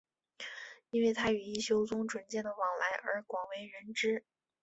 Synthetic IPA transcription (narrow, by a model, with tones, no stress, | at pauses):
i˥nwe˥˩ɪt̪ʰa˥y˨˩i˥˩ɕjo˧˥ʊt͡sʊ˥ŋʈ͡ʂwə˨˩nt͡ɕjɛ˥˩nd̪ə˩wɑ˨˩ŋla˧˥ɪʔə̰˞˧˥kwɑ˨˩ŋwe˧˥ɪɻə˧˥nʈ͡ʂɻ̩˥